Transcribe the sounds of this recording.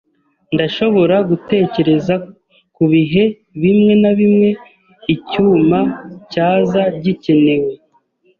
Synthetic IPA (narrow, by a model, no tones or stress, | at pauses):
ndaʃo̞βo̞ɾaɡute̞ːce̞ɾe̞za | kuβiɦe̞ | βimŋe̞naβimŋe̞ | icuːmacaːzaɟice̞ne̞we̞